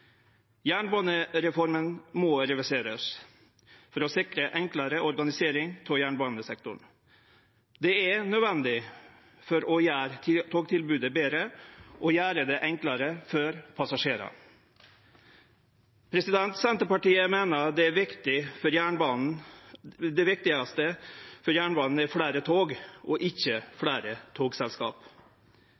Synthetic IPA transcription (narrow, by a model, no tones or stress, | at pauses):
jæːɳbɑːnəɾɛfɔɾmənmɔɾɛʋɪseːɾəs | fɔɾɔsɪkɾəʔɛŋkləɾəʔɔɾɡɑnɪseːɾɪŋt̪ʰɔjæːɳbɑːnəsɛk̚t̪ʊ̰ɳ | d̪ɛænœd̪ʋɛnd̪ɪ | fɔɾɔjæːɾt̪ʰoːɡt̪ʰɪlbʉːd̪əbeːɾəʔɔːjæːɾəd̪ɛːʔɛŋklɑɾəfɔɾpʰɑsɑʂeːɾɑ̰ | pʰɾɛsɪd̪ɛnt̪sɛnt̪əpɑʈiːəmeːnəd̪ɛæʋɪkt̪ɪfɔɾjæːɳbɑnn̩ | d̪ɛʋɪk̚t̪ɪɑst̪əfɔɾjæːɳbɑːnn̩ɛfɽæːɾət̪ʰoːɡʔɔʔɪçːəfɽæːɾət̪ʰoːɡsɛlskɑ̰ːp